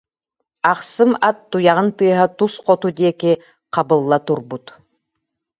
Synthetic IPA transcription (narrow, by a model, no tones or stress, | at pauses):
ɑqsɯmat̪ːujɑʁɯnt̪ɯɐɦat̪usqɔt̪ud̪ieki | qʰɑbɯlˠːat̪uɾbut̪